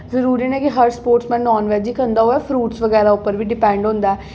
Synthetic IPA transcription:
zəɾuːɾinɛ̃ːkɪɦəɾspoːɾʈsmɛ̃ːnːɔːnʋɛːd͡ʒiːkə̃nd̪aːɦoɛːfʰɾuːʈsʋəɡɛːɾaʊpːəɾʋiːɖɪpɛ̃ːɳɖɦʊ̃nd̪aɛː

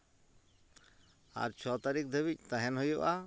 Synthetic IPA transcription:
a̰ɾt͡ʃʰɔt̪aɾik̚d̪ʱəbic̚t̪aɦɛnɦojuʔa

